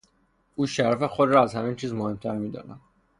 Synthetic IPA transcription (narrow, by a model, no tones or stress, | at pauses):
ʔuːʃæɾæfe̞xod̪ɾɒæzhæmiːnt͡ʃʰiːzmohe̞mt̪ʰæɾmiːd̪ɒ̰ːnæm